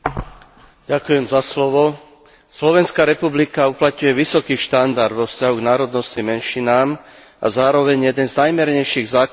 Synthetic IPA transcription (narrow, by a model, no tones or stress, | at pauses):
ɟakujɛmzaslɔʋɔ | slɔʋɛnskaɾɛpublikauplat̪ɲujɛʋisɔkiːʃt̪and̪aɾd̪ʋɔfscaɦuɡnaːɾɔd̪nɔscimɛnʃinaːm | ʔa̰zaːɾɔʋɛɲjɛd̪ɛnznajmɛɾɲɛjʃiɣzaːk